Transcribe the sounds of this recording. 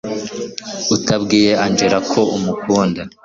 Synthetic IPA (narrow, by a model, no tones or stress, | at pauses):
utabɡiːje̞aɲd͡ʒeɾakʰo̞ʔumukuːnda